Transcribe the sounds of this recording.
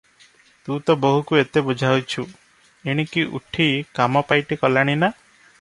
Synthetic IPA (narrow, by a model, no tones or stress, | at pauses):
t̪ũt̪ɔboɦukuet̪ebud͡ʒʱaɦwjt͡ʃʰu | eɽ̃ikiʔṵʈʰikamɔpajʈikɔlaɽ̃ina